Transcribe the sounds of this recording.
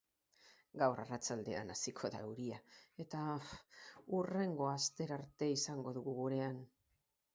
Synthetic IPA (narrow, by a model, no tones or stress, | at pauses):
ɡawrarat͡sald̪e̞a̰nasikʰo̞ða̰euɾiae̞t̪a | ure̞ŋɡo̞ast̪e̞ɾaɾt̪e̞isaŋɡo̞ðuɣuɣuɾe̞an